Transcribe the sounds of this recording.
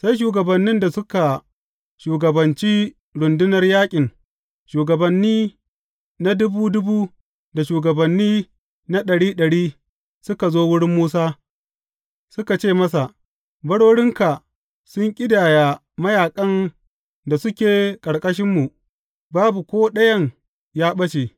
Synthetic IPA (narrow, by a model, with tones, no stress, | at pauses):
sa˦jʃ̬uː˨ɡɐ˨bɐ˨nːɪ˦nda˨sʊ˦ka˨ | ʃuː˨ɡɐ˨bɐ˨nt͡ʃiː˦ | ɽʊ˨ndʊ˦nɐ˦rjaː˦kʲʼɪ˨ŋ | ʃuː˨ɡɐ˨bɐ˨nːiː˦ | na˦dʊ˦buː˦dʊ˦buː˦ | da˨ʃuː˨ɡɐ˨bɐ˨nːiː˦ | na˦ɗɐ˨ɽiː˦ɗɐ˨ɽiː˦ | sʊ˦ka˨zoː˦wʊ˦ɽɪ˦mːuː˦saː˦ | sʊ˦ka˨t͡ʃeː˦˨mɐ˦sa˨ | bɐ˦ɽoː˦ɽɪ˦ŋka˨ | sʊ˦ŋkʲʼɪ˦daː˨jaː˨ | mɐ˦jaː˨kʼɐ˦n | da˨sʊ˦kʲeː˨kʼɐ˨ɽkʼɐ˦ʃ̬ɪ˦mːu˨ | baː˦bu˨kʷoː˦ɗɐ˦jɐ˦ŋ | jaː˦ɓɐ˦ʃe˨